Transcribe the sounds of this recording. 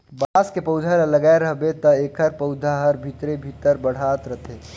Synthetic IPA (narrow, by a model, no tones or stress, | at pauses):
baːskepəʊd̪ʱaɾəlɐɡaːeɾɐɦbet̪ɐeːkʰəɾpəʊd̪ʱaɦəɾbʱit̪ɾebʱit̪əɾbəɽ̤aːt̪ɾɐt̪ʰeː